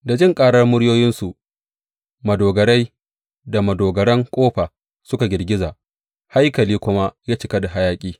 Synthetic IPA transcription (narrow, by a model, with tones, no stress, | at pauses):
da˨d͡ʒɪ˦˨ŋkʼaː˨ɽɐ˦rmʊ˦ɽjoː˦jɪ˦nsu˨ʔ | mɐ˨doː˨ɡɐ˨ɽa˦j | da˨mɐ˨doː˨ɡɐ˨ɽɐ˦ŋkʷʼoː˦ɸa˨ | sʊ˦ka˨ɡʲɪ˨rɡʲɪ˦zaː˨ʔ | ha˦jkɐ˨liː˦kʷʊ˦ma˦jaː˦t͡ʃɪ˨kɐ˦da˨ɦa˦jaː˦kʲʼiː˦